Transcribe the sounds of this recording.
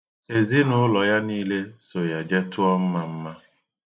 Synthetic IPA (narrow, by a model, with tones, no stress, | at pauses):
e˨zi˦nʊ˦lɔ˨ja˦niː˦le˦so˨ja˨d͡ʒɛ˦tʊ˦ɔ˦m̩˦ma˦m̩˦ma˦